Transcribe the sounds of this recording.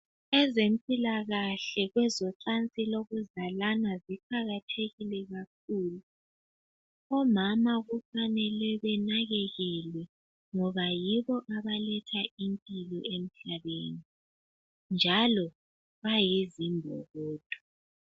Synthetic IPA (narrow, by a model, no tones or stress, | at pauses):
ɛzempʼilaɣaɬɛɣwɛzɔǀant͡sʼiloɣuzalanaziǃʰaɣatʰeɣilɛɣak̚ʰuːlu | ɔmamaɣufanɛlɛβɛnaɣɛɣɛlɛ | ŋɔβajiβɔʔaβalɛtʰaimpʼilɔem̩ɬaβeːni | nd͡ʒʱalɔ | βajizimbʱɔ̰ɣoːd̥ʼʱu̥